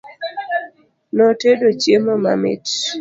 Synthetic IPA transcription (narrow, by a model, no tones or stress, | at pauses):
nɔtedot͡ʃjemɔma̰mɪ̰t